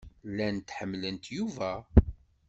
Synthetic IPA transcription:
lːænt̪ħəmːlənt̪juvæ

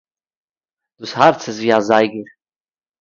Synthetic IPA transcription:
d̥uːshaɾt͡sɪsviːazaɪɡəɾ

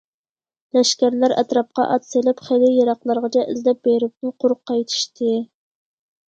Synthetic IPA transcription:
lɛʃkʲæɾlæɾɛ̰t̪ɾɑp̚qɑ̰ʔɑt̪selɪpχejlɪjɑɾɑqlˠɑɾʁɑt͡ʃʰɛʔɪzlɛp̚beɾɪp̚t̪ʊqʰʊɾʊqːɑjt̪ʰɨ̥ʃt̪ʰɨ

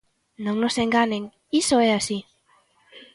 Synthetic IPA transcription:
nawnoseŋɡanen | isoeasi

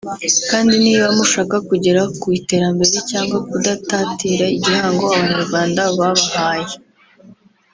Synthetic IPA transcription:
kaːndiniːβamuʃaːkakuɟe̞ɾakwite̞ːɾambe̞ɾe̞caːŋɡwakudatatiːɾaiɟihaːŋɡo̞aβaɲaɾɡwaːndaβaβahaːje

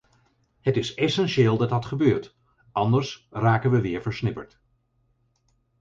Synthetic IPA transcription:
ɦətɪsɛsɛnʃeːlˠdɑt̚dɑtχəbøːɹt | ʔɑndəɹsraːkənʋəʋɪːɹvəɹsnɪpəɹt

